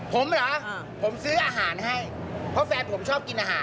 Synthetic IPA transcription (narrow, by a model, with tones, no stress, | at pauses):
pʰo˩˦mlɔː˨˦˥ | pʰo˨˩˦msɯː˦˥ʔaː˧ɦaː˩˦nɦa˥˩j | pʰɔ˦˥fɛː˧npʰo˩˦mt͡ɕʰɔː˥˩p̚ki˧nʔaː˧ɦaː˩˦n